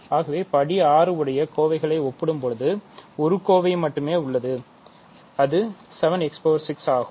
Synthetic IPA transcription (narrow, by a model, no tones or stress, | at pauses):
aːɣɐʋeːpɐɽiaːɾɯɯɽɐjɐkoːʋɐɪɣɐɭɐɪɔpːɪɽɯmpɔɻɯðɯɔɾɯkoːʋɐɪmɐʈːɯmeːʊɭːɐðɯ | ɐðɯ | sɛʋɐnɛkspoːʋɐɾsɪksaːɣɯm